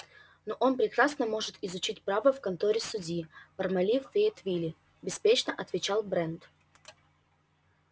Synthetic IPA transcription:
noʔo̞npɾʲɪkɾasnəmo̞ʐɨt̪ɪzʊt͡ɕitʲpɾavəfkɐnt̪oɾʲɪsʊdʲipərmɐlʲifvʲeɪt̪vʲilʲɪ | bʲɪspʲet͡ɕnəʔɐt̪vʲɪt͡ɕalˠbɾɛnt̪

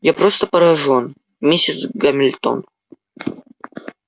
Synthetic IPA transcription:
japɾost̪əpəɾɐʐon | mʲesʲɪt̪sɡɐmʲɪlʲt̪o̰n

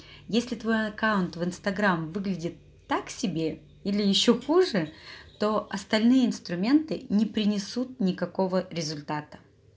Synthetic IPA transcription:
jesʲlʲɪt̪vo̞jɐkaʊnt̪vɨnst̪ɐɡɾamvɨɡlʲɪdʲɪt̪ːaksʲɪbʲe̞ | ilʲɪjɪɕːo̞xuʐɨt̪o̞ɐst̪ɐlʲnɨjəɪnst̪ɾʊmʲe̞nt̪ɨnʲɪpɾʲɪnʲɪsut̪̚nʲɪkɐko̞vəɾʲɪzʊlʲt̪at̪ə̥

